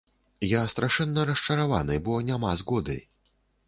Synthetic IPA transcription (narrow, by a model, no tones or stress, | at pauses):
jast̪ɾaʂɛnːɐɾɐʂt͡ʂɐɾava̰nɨbɔnʲamazɣɔd̪ɨ̰j